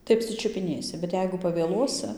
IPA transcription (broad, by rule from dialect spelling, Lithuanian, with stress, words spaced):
tɐɪ ɐpʲsʲɪt͡ʃʲʊpʲɪˈnʲeːsʲɪ bʲɛt ˈjɛɪɡʊ pɐʋʲeːˈlˠuɔsɨ